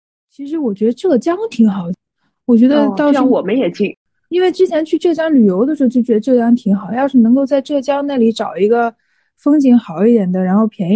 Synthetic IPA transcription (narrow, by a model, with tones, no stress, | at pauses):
t͡ɕʰi˧˥ʂɻ̩˧˥wɔ˨˩t͡ɕɥɛ˧˥d̪ə˧ʈ͡ʂɤ˥˩t͡ɕjɑ˥ŋt̪ʰi˧˥ŋxɑ˨˩ʊd̪ | wɔ˨˩t͡ɕɥɛ˧˥d̪ə˧t̪ɑ˥˩˧wɔ˨˩mə˦jɛ˨˩t͡ɕi˥˩ | i˥nwe˥˩ɪʈ͡ʂɻ̩˥t͡ɕʰjɛ˧˥nt͡ɕʰy˥˧ʈ͡ʂɤ˥˩t͡ɕjɑ˥ŋly˨˩jo˧˥ʊd̪ə˧ʂɻ̩˧˥˧t͡ɕo˥˩ʊt͡ɕɥɛ˧˥d̪ə˧ʈ͡ʂɤ˥˩t͡ɕjɑ˥ŋt̪ʰi˧˥ŋxɑ˨˩˦ʊjɑ˥˧ʊʂɻ̩˥˩nɤ˧˥ŋko˥˧ʊt͡sa˥˧ɪʈ͡ʂɤ˥˩t͡ɕjɑ˥ŋna˥˩li˧˥ʈ͡ʂɑ˨˩ʊi˧˥ɡə˧ | fɤ˥ŋt͡ɕi˧˥ŋxɑ˨˩˦ʊi˥˩d̪jɛ˨˩nd̪ə˦ɻa˧˥nxo˥˩ʊpʰjɛ˧˥n